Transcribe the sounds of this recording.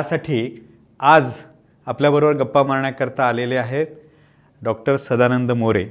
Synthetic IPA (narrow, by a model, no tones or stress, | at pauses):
asaʈʰiː | ad͡z | apljabəɾobəɾɡəpːamaɾɳjakəɾt̪aːleleaɦet̪̚ | ɖɔk̚ʈəɾsəd̪anənd̪moɾe